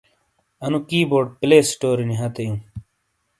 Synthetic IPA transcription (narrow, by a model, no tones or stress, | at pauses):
ɐnũkiːboːɖ̚pleːsʈoːɾiniɦɐt̪ejũ